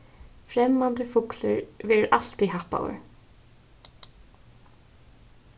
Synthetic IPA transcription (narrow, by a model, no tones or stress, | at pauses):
fɾɛmːand̪əfʊkləɹʋɛːɹʔal̥t̪ihapa̰wə̰ɹ